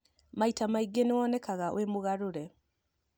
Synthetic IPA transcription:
maitamaiɡːenewɔnɛkaɣawʔemoɣaɾoɾɛ

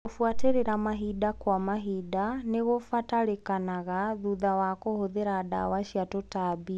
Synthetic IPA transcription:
ofuateɾeɾamaɦidakwamaɦidaneɣofataɾekanaɣaðuðawakohoðeɾaːda̰waʃjatotabi

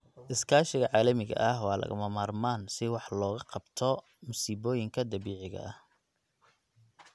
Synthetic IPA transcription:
ʔɪskʰaːʃɪɣɐʕɑːlɐmɪɣɐ̰ʔɐhwɑːlɐ̰ɣʊ̰mɐmaːrmaːnsɪwɑħlɔːɣɐqɑbt̪ʰɔ | mʊsiːbɔːjɪŋkʰɐd̪ɐβiːʕɪɣɐ̰ɐh

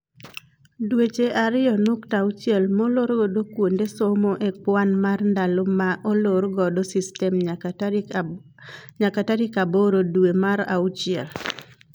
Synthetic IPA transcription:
dwet͡ʃeʔaɾɪɔnuktaut͡ʃjɛlmoloɾɡɔdokwondesomoʔek͡pwanmarndalomaʔoloɾɡɔdosistɛm | ɲakataɾikaboɾodwemaɾa̰ut͡ʃiɛl

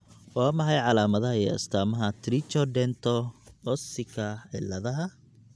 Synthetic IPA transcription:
waːmɐħɑjʕɑlaːmɐðɐɦɐiɐ̰st̪ʰaːmɐɦɐt̪ʰɾit͡ʃɔɖɛnt̪ʰɔɔsɪkʰɐʕɪ̰lːɐðɐɦɐ

